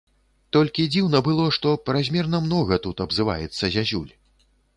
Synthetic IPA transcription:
t̪ɔlʲkʲid͡zʲiwnɐbɨlˠɔʂt̪ɔpɾazʲmʲɛrnɐmnɔɣɐt̪ut̪ɐbzɨva̰jɛt̪sːɐzʲazʲṵlʲ

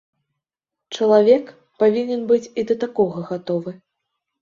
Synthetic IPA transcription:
t͡ʂɐlˠavʲɛk | pavʲinʲɛnbɨt͡sʲid̪ɐt̪akɔɣɐɣat̪ɔvɨ

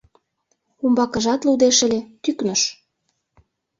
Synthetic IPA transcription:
umbɑkə̆ʒɑt̪lud̪eʃə̆lʲet̪yknəʃ

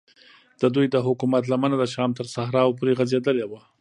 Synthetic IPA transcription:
d̪̥əd̪ujd̪əɦʊkumat̪lamənad̪əʃɑmt̪əɾsahɾɑwp̬oɾeɣazed̪əlewa

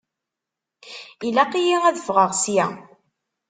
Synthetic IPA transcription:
ilæqijiʁæðəfʁəʁsjæ̰

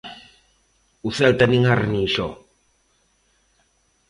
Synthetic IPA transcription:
usɛlt̪aniŋarniʃɔ

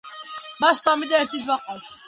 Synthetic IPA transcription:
maʃsamid̪aɛɾt̪ʰisbaqʼɔs

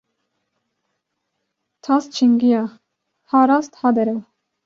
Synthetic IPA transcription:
t̪ʰɑst͡ʃʰiŋɡijɑ | hɑɾɑst̪hɑd̪ɛɾɛ

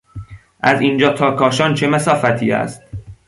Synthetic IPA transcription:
ʔæziːnd͡ʒɒːt̪ʰɒːkʰɒːʃɒːnt͡ʃʰemæsɒːfæt̪ʰiːæ̰st̪̚

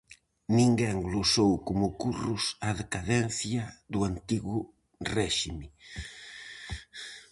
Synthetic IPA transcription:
nĩŋɡɛŋɡlosowkʊmʊkurʊsaðekaðɛn̟θjɐðuant̪iɣʊ | rɛʃimɪ

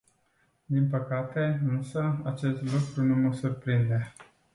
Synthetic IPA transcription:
d̪inpəkat̪e̞ɨnsəat͡ʃe̞st̪lukɾunuməsurpɾind̪e̞

